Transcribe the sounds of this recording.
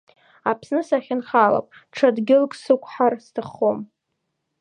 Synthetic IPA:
apʰsnɨsaχʲɪnχala̰pʼʈ͡ʂʰadɡʲɪlkʼsɨkʷʰʼħarstʰaχːom

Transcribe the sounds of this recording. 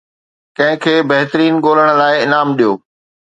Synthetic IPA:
kɐ̃ɦɪ̃kʰeːbɐɦɪt̪əɾiːnɠoːləɽ̃̆laːɪɪnaːmɗijoː

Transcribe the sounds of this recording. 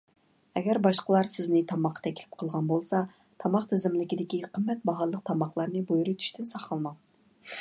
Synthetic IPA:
ɛɡʲɛɾbɑʃqəlˠɑɾsɪznɪt̪ʰɑmɑqʰːɑt̪ʰɛkʲʰlɪ̥p̚qʰəlˠʁɑnbolˠsɑ | t̪ʰɑmɑqt̪ʰɪzɪmlɪkʲid̪ɪkʲiqʰəmːɛt̪̚bɑɦɑlˠːəq̚t̪ʰɑmɑχlˠɑɾnɨbojɾujt̪ʰy̥ʃt̪ɪnsɑχɑlˠmɑŋ

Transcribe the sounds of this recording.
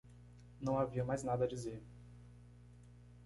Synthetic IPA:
nɐ̃w̃aviɐmajznad̪ɐad͡ʒizeɾ

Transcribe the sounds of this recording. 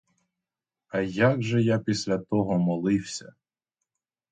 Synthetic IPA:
ɐjaɡʒɛjapʲisʲlʲɐt̪ɔɦɔmɔlˠɪwsʲɐ

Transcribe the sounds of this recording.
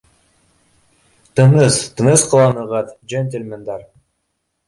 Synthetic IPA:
t̪ɯnɯst̪ɯnɯsqə̆lˠɑnɯʁɑt̪d͡ʒent̪ʲelʲmend̪ɑɾ

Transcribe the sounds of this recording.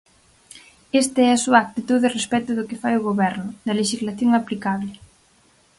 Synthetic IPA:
est̪ɪɛɐsuɐak̚t̪it̪uðɪrespɛt̪ʊðʊkɪfajʊɣoβɛɾnʊd̪ɐleʃizlaθjoŋaplikaβlɪ

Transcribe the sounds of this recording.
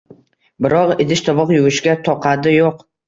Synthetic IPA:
bɪɾɒʁɪd̪ɪʃt̪ʰɒbɒqjʊwɪʃɡʲat̪ʰɒqʰɑd̪ɪjoq

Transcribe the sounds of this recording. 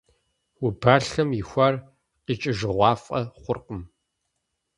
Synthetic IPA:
wʊbaːɬɐmjɪxʷɐr | qit͡ʃʼɪʒɨʁʷɑːfʼɐ̰χʷʊrqəm

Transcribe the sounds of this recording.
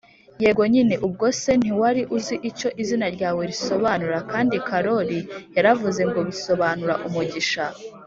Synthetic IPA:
jeːɡo̞ɲineʔub̚ɡo̞se̞n̥iwaɾiʔuziʔico̞ʔizinaɾɟaːwe̞ɾiso̞βanuɾakaːndikʰaɾo̞ɾijaɾavuze̞ŋɡo̞βiso̞βaːnuɾaʔumuɟiʃa

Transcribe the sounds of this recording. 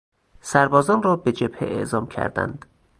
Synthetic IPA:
sæɾbɒːzɒːnrɒːbed͡ʒeb̥hḛʔḛʔzɒːmcʰæ̰ɾd̪æ̰nd̪̥

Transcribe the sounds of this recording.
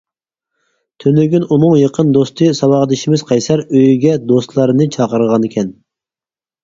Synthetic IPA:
t̪ʰønlɪɡʲynunɨŋjəqʰənd̪ost̪ʰɨsɑwɑʁd̪ɪʃimɪzqʰɑjsɑɾøjyɡʲɛd̪ost̪lˠɑɾɨnɨt͡ʃʰɑqəɾəʁɑnekʲʰɛn

